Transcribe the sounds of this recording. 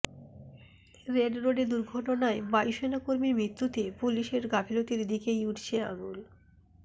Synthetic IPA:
ɾeɖɾoɖed̪uɾɡʱɔʈonaebajʃenakoɾmimɾit̪ːut̪epuliʃeɾɡapʰilot̪iɾd̪ikejuʈʰt͡ɕʰea̰ŋul

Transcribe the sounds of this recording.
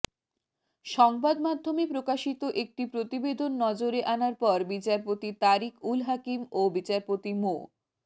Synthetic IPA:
ʃɔŋbad̪mad̪ʱːomepɾokaʃit̪oʔek̚ʈipɾot̪ibed̪ʱonːɔd͡ʑoɾeʔanaɾpɔɾbit͡ɕaɾpot̪it̪aɾikʰulɦakimobit͡ɕaɾpot̪imo̰

